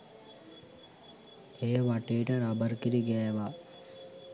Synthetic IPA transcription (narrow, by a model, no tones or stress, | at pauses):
ejʋaʈejʈəɾabəɾkiɾiɡɛjʋa